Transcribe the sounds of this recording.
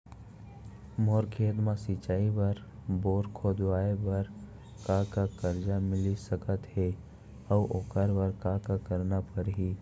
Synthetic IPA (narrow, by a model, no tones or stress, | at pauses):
moːɾkʰeːd̪mãsɪt͡ʃaːibəɾboːɾkʰod̪ʋaːebəɾ | kakakəɾd͡ʒamɪlisəkət̪ɦe | əʊʔoːkəɾbəɾkakakəɾnapəɾɦi